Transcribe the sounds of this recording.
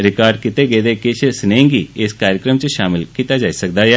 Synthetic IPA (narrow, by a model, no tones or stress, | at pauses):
ɾɪkaːɾɖkɪt̪eɡeːd̪ekeʃesnẽːŋɡiɪskaːɾjəkɾəmt͡ʃeʃaːmɪlkiːt̪ad͡ʒaːisɐk̚d̪aje